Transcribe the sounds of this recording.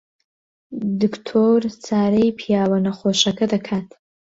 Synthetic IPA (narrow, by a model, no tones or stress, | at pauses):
dɨkʰtʰort͡sʰaːɾejpʰijaːwɐnɐχʷoʃɐkʰɐdɐkʰaːtʰ